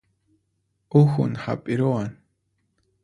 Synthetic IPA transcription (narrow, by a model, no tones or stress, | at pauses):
uxʊnha̰pʼɪɾoan